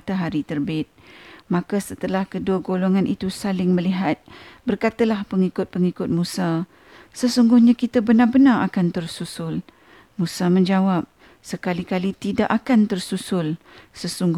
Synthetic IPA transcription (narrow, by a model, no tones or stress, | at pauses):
t̪aɦaɾit̪ərbɪt̪̚mãkasət̪əlahkəduəɡoloŋanʔit̪usalɪŋməliɦat̪̚bərkat̪alahpəŋikʊt̪̚pəŋikʊt̪̚mũsa | səsuŋɡʊhɲãkit̪abənarbənaa̰kant̪ərsusʊl | mũsamə̃ɲd͡ʒawap̚ | səkalikalit̪idaʔakant̪ərsusʊlsəsuŋɡ